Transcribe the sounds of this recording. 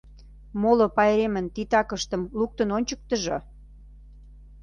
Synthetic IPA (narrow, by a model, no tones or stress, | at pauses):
molopɑjɾemənt̪it̪ɑkəʃt̪ə̆mluk̚t̪ə̆nonʲt͡ɕək̚t̪əʒo